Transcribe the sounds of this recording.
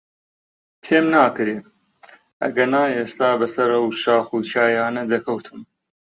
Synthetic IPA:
t̪ʰeːmnaːkɨɾeː | ɐ̰ɡɐnaːeːst̪aːbɐsɐɾɐwʃaːxuːt͡ʃʰaːjaːnɐd̪ɐkʰɐwt̪ʰɨm

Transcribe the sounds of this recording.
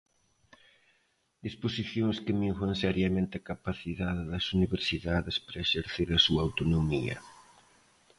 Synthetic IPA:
d̪̥isposiθjoŋskɪmiŋθɐŋsɛɾjɐmẽnt̪ɪɐkapaθiðaðɪðɐsuniβeɾsiðaðɪspaɾɐeʃeɾθeɾɐsuaawt̪onomiɐ̰

